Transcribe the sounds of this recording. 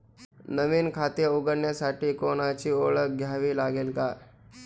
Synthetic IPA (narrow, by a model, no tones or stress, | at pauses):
nəʋiːnkʰat̪iəuɡəɾɳjasaʈiːkonat͡ɕiːoɭək̚ɡʱjaʋiːlaɡelka